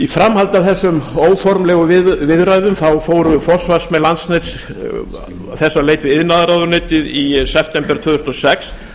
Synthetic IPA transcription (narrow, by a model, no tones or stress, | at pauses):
ifɾamhalt̪aθɛsːʏmoːwfɔɾmlɛːɣʏvɪvɪðɾajðʏmθawfoːwɾʏfɔ̥svasmɛlant̪snet̪s | θɛsːaleːjt̪vɪðɪðnaðɾaðʏɾneːt̪ɪðisɛp̚ʰt̪ɛmpɛɾt̪ʰʏðʏɾst̪ɔsɛks